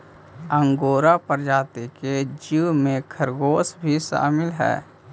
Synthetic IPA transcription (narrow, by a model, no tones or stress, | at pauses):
ə̃ŋɡoːɾapəɾd͡ʒaːt̪iked͡ʒiwmẽkʰəɾɡoːsbʱiʃa̰ːmɪlɦɛ̰ː